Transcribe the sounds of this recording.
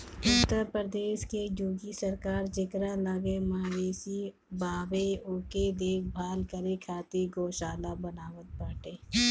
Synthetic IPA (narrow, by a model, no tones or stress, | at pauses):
ʊt̪əɾpɾəd̪eːʃkejoːɡisəɾkaːɾd͡ʒɪkɾaləɡemaːʋeːsi | baːʋeʊːked̪eːk̚ʰbʱaːlkəɾekʰaːt̪iɡoːʃaːlabənaːʋət̪̚pəːʈeː